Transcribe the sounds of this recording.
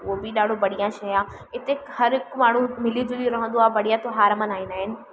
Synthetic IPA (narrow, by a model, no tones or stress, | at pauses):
ʊɦobɪɗaːɖʱobɐɽijãʃɐjãː | ɪt̪ekhɐɾɪkmaːɳ̤ũmɪlijd͡ʑoɗiɾɐɦə̃nd̪oaːbɐɽijãt̪oɦaːɾmənaːɦɪnaːɦɪnɪ̆